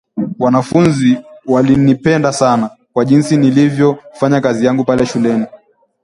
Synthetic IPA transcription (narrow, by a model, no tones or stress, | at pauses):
wanafunziwalinipɛndasana | kwaʄinsinilivjɔfaɲakazijaŋɡupalɛʃulɛni